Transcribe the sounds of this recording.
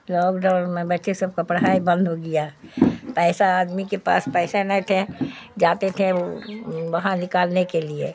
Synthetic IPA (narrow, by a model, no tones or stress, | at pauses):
lɔːkɖãʊnmẽbətːʃesəb̚kapəɽɦaːibə̃nd̪ʱɦoɡɪjapɛːsaaːd̪mikepa̰ːspɛːsenɛt̪ʰẽd͡ʒaːt̪et̪ʰẽoʋɐɦãnɪkaːlnekeliḛ